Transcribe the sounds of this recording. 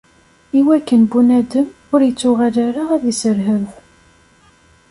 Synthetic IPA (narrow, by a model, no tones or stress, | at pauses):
iwækːənbunæd̪əm | ʊɾjət͡sːʊʁalaɾaʁæðəsəɾɦəɾx